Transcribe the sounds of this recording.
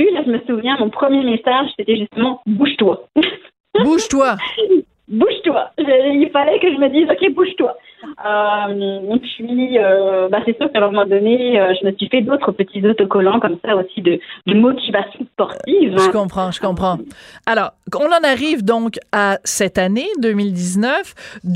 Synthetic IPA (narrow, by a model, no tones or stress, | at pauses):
ylaʒəməsuvjɛ̃mɔ̃pχəmjemesaʒset̪ɛʒyst̪əmɑ̃buʒt̪wa | buʒt̪wa | buʒt̪waʒəilfalɛkəʒəməd̪izɔkʲebuʒt̪wa | ømɔ̃sɥiøbasɛsyʁkãmɔmɔmɑ̃d̪ɔneøʒəməsɥifɛd̪ot̪χəpət̪ʰizot̪ɔkɔlɑ̃kɔmsaosid̪əd̪əmɔt̪ivasjɔ̃spɔʁtivʒəkɔ̃pχɑ̃ʒəkɔ̃pχɑ̃alɔːʁɔ̃nɑ̃naʁivd̪ɔ̃kasɛt̪aned̪ømild̪iznœf